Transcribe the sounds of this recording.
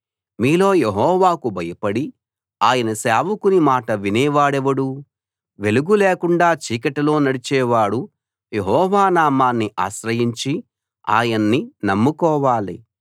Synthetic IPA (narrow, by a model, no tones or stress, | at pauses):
miːlo̞ːjeɦɔːʋaːkubʱɐjɐpɐɽi | aːjɐnɐsaːʋukunimaːʈɐʋinɛːʋaːɽɛʋɐɽu | ʋe̞luɡuleːkuɳɖaːt͡ʃiːkɐʈɐlo̞ːnɐɽit͡ʃɛːʋaːɽu | jeɦɔːʋaːnaːmaːnːiʔa̰ːʃɾɐjiɲt͡ʃi | a̰ːjɐnːinɐmːukɔːʋaːlḭ